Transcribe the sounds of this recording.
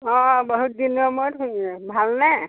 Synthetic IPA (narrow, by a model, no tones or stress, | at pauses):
ɔ̃bɔɦut̚dinɔmojtʰunbʱalna